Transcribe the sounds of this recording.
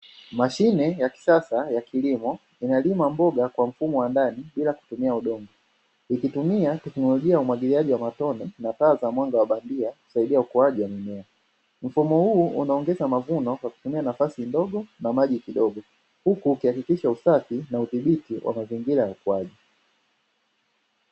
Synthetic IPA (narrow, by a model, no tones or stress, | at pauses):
maʃinɛjaki̥sasajakʰilimɔ | inalimambɔɡakwam̩fumɔwandaniɓilaku̥tumiauɗɔŋɡɔ | ikitumiatɛknɔlɔʄiajaumwaɡiliaʄiwamatɔninataːzamwaŋɡawaɓandiaku̥saiɗiaukɔwaʄiwaminɛa | m̩fumɔhuːʔunaɔŋɡɛzamavunɔkwaku̥tumianafasindɔɡɔnamaʄikiɗɔɡɔ | hukuːkihakikiʃausafinauθiɓitiwʔa̰maziŋɡiɾajaukɔaʄi